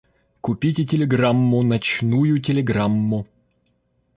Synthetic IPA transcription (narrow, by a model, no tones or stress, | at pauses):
kʊpʲitʲɪtʲɪlʲɪɡɾamːʊnɐt͡ɕnujʊt̬ʲɪlʲɪɡɾamːʊ